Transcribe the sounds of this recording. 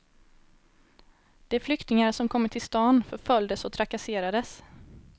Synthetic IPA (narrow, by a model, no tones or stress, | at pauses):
d̪̥ɛæɾflʏkt̪ɪŋaɾʂɔmkʰɔmːəʈʰɪlst̪ɑːnfœɾfœljd̪əsɔt̪ʰɾakaseːɾad̪əs